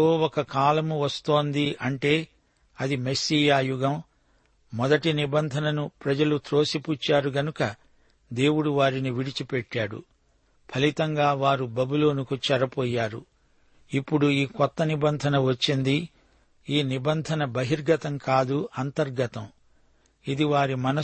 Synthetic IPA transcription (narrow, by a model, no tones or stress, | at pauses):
oːɔkɐkaːlɐmuʋɐst̪oːnd̪iʔɐɳʈe̞ː | ɐd̪imesiːjaːjuɡɐm | mɔd̪ɐʈinibɐnd̪ʱɐnɐnupɾɐd͡ʒɐlut̪ɾo̞ːsiput͡ʃːaːɾuɡɐnukɐ | d̪e̞ːwuɽuʋaːɾiniʋiɽit͡ʃipɛʈːaːɽṵ | pʰɐlit̪ɐŋɡaːʋaːɾubɐbulo̞ːnukut͡ʃɛɾɐpɔːjːaːɾṵ | ipːuɽuiːkɔt̪ːɐnibɐnd̪ʱɐnɐʋɐt͡ʃːind̪i | iːnibɐnd̪ʱɐnɐbɐɦiɾɡɐt̪ɐmkaːd̪uɐnt̪ɐɾɡɐt̪ɐm | id̪iʋaːɾimɐnɐ